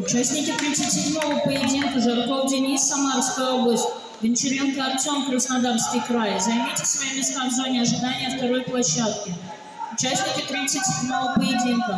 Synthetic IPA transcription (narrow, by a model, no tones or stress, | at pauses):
ʊt͡ɕasʲnʲɪkʲɪt̪ɾʲit̪sətʲsʲɪdʲmo̞vəpəjɪdʲinkəzɐɾk̪olˠdʲɪnʲisːɐmarskəjəo̞blˠəsʲtʲ | vʲɨnʲt̪ʲɪɾʲvʲink̪əɐkt̪somkɾəsnɐd̪arskʲɪjkɾajəzɐjmʲit̪ʲɪ̥sʲvɐjemʲɪsk̪amzonʲɪɐʐɨd̪anʲɪjəft̪ɐɾojplˠɐɕːat̪̚kʲə | ʊt͡ɕasʲnʲɪkʲɪt̪ɾʲit̪sɨtʲsʲɪdʲmo̞vəpəjɪdʲinkə